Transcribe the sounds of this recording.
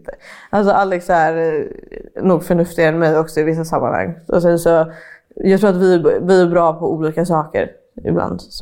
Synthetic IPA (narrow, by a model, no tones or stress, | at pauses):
ʔalsɔʔalːɛksæɾ | nuːɡfœɳɵft̪ɪɡaɛnmɛjɔksɔɪvɪsːasamːa̰nha̰ŋːɔ̰sɛnsɔ | jɑːɡt̪ʰɾuːɾat̪vɪævɪæɾbɾɑːpʰɔuːliːkasɑːkə̰ɾ | ɪ̰bla̰nd̪s